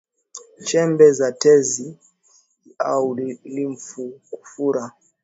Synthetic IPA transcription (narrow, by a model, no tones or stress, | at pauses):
t͡ʃɛmbɛzatɛzi | auliɱ̩fuku̥fuɾa